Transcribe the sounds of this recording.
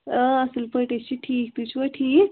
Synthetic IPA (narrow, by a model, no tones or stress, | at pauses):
əəselpəjʈ̪et͡ɕiːʈʰiːk̚t̪ut͡ɕʋaʈʰiːk